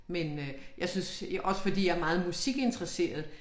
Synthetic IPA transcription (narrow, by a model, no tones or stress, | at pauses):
menøjɑ̈ɪsynsʔɒ̽sə̥fɒ̽d̥ḭːjɑ̈æɐmɑ̈ːð̞̩ˠmusiɡ̥e̝nd̥ʁɐse̝̰ːɐð̞ˠ